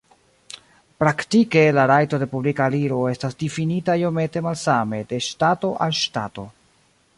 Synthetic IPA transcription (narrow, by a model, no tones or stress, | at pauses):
pɾaktike̞laɾajto̞de̞publikaliɾo̞e̞stasdifinitaiome̞te̞malsame̞de̞ʃtato̞ʔalʃtato̞̰